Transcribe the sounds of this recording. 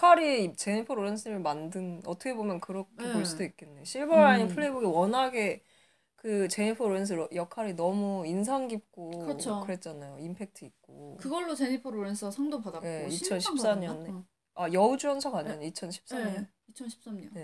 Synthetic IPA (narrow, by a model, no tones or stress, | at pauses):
kʰaɾit͡ɕe̞ɲipʰoɾoɾensʰɯɲimɯɭmandɯnʌtʰʌkʰe̞bomjʌnkɯɾʌkʰepoɭs͈udoik̚k͈e̞nːeɕʰiɭbʌɾaɲinpʰɯɭːeibuɡiwʌnɦaɡe̞ | kɯt͡ɕe̞ɲipʰoɾoɾens̬ʰɯɾjʌkʰaɾinʌmuins̬ʰaŋɡip̚k͈okɯokɯɾe̞t̚t͡ɕ͈anajoimpʰe̞k̚tʰɯik̚k͈okɯɡʌɭːot͡ɕeɲipʰoɾoɾensʰɯasʰʌŋdopadait͡ɕʰʌnɕʰips͈aɲʌne | ajʌud͡ʑuʌnsʰʌkaɲʌnit͡ɕʰʌnɕʰi̥p̚s͈aɲʌn | it͡ɕʰʌnɕʰi̥p̚s͈amɲʌne̞